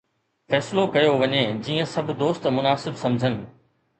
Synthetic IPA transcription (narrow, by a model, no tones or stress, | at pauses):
fɛːsɪlokɐjoʋɐɲed͡ʑiːə̃sɐbʱʊ̆d̪oːst̪mʊnaːsɪbsɐ̃md͡ʑʱənɪ̆